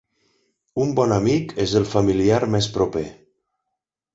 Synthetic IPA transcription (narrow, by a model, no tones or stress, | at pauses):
umbɔnamikezəlˠfamiliaɾmɛspɾope